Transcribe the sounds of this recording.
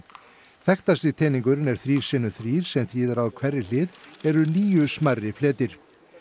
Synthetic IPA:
θɛxt̪asɪt̪ʰɛːnĩŋkʏɾnɛɾ̥θɾiːɾ̥sɪnːʏθɾiːɾ̥sɛmθɾiːðaɾaðkʰvɛrːɪlɪːðɛɾʏniːjʏsmarːɪflɛːt̪ɪɾ̥

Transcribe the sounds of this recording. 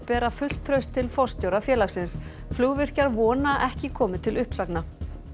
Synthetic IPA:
pɛːɾafʏl̥t̪ʰːɾœɥst̪ʰːɪlfɔst̪jowɾafjɛːlaxsɪns | fluːɣvɪr̥caɾvɔːnaʔɛhcɪkʰɔːmɪt̪ʰɪlʏhpsakna

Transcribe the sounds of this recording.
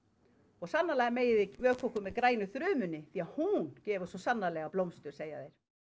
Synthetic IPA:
ɔɣsanːalaːɣameːjɪðɪvœːkʰvɔkʏmːɛðkɾaːjnʏθɾʏːmʏnːɪθiahuncɛːvʏsɔsanːalɛːɣaplowmst̪ʏɾ̥seːjaθejɾ̥

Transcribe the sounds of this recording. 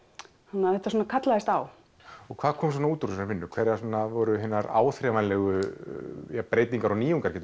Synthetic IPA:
hanaθɛht̪asɔːnakʰat̪laðɪst̪aw | ɔɣkʰv̥aːðkʰɔːms̬ɔnauːt̪ɾsnaɾvɪnːʏkʰvɛɾjasɔnːavɔɾʏɦɪnːaɾa̰ːwθɾɛvanlɛɣʏ | jɛpɾeːjt̪niŋkaɾɔniːjuŋkaɾcɛːt̪ʏ

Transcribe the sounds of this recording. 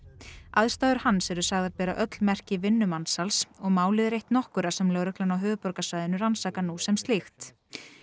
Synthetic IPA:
aðst̪aːðʏɾ̥hanːsɛɾʏsaɣðaɾpɛːɾaʔœt̪lmɛr̥cɪvɪnːʏmansalsɔɣmaːwlɪðɾejht̪nɔhkʏɾasɛmlœːɣɾœklanawɦʏːvʏpɔɾkasajðɪnʏɾansaːkanuːsɛmst̪lixt̪

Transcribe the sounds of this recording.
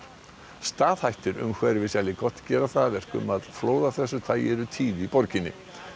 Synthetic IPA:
st̪aːð̥hajht̪ɪɾʏ̰mkʰvɛɾvɪsjalɪkɔt̪cɛːɾaθavɛr̥kʏ̰maðfloːwðaθɛsːʏθaðjɛːɾʏt̪ʰiːðipɔɾcɪnːɪ̰

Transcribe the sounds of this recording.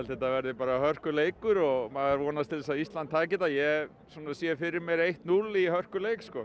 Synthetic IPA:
ɛlθɛht̪avɛɾðɪpaːɾahœr̥kʏleːjkʏɾɔɣmaɣaɾvɔːnast̪ʰɪlɛs̬aðist̪lant̪t̪ʰːaːcɪt̪ajɛ | suːnasjɛfɪɾɪɾmjɛɾejht̪nulihœr̥kʏlejkskɔ

